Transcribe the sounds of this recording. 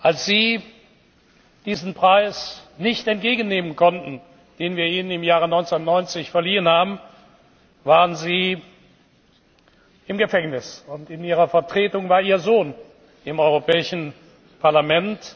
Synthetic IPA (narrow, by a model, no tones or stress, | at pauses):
ʔalsz̥iː | d̥iːzn̩pʁ̥aɪsnɪçtɛnt̚ɡ̥eːɡən̩ːeːmənkʰɔntn̩ | d̥eːnviːɐiːnənɪmjaːʁ̞ənɔʏnt͡snnɔʏnt͡sɪçfɛɐliːənhaːbm̩ | vaːʁənziː | ʔɪmɡəfɛŋnɪsʊntɪniːʁɐfɛɐtʁ̥eːtʊŋvaːɐʔiːɐzoːn | ɪmʔɔʏʁopʰɛːɪʃn̩ | pʰaɐlamɛnt